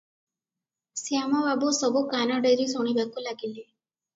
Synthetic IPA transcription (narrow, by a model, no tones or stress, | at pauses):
siamɔbabusɔbukanaɖeɾisɔɽ̃ibakulaɡile